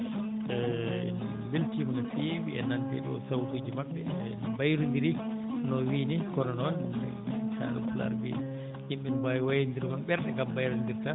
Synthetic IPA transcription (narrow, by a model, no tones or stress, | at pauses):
ɛḭn | weltimanafijewḭʔɛ̰nːantɛ̰ɗɔ̰sawtuːd͡ʒimaɓːɛ̰nbajɾundiɾinɔwiːnikɔɾɔnɔwanɛ̰sa̰ɾṵfula̰ɾbḭ | imɓinbaːjiwajandiɾkɔnɓɛɾɗɛɡambajɾandiɾta